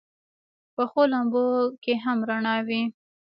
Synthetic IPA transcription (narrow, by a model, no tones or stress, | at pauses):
pəxolambokeɦamɾaɳɑwi